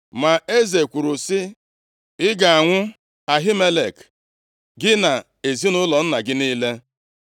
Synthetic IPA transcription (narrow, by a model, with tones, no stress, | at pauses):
ma˨e˦ze˨kʷu˨ɾʊ˨sɪ˦ | ɪ˦ɡa˨a˨ŋʷʊ˦ | a˨ɦi˦me˦le˨k | ɡɪ˦na˨ | e˨zi˦nʊ˦lɔ˨n̩˦na˨ɡɪ˦niː˦le˦